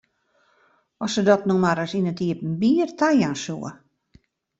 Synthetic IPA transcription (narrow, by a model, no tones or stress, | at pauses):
ɔsədɔtnumaɾəsinətiəpn̩biːərtʰajansuə̰